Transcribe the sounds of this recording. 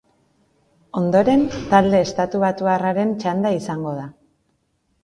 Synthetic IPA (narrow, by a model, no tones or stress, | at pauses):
o̞nd̪o̞ɾe̞nt̪ald̪e̞ːst̪at̪uβat̪uaraɾe̞nt͡ʃand̪aisaŋɡo̞ð̞a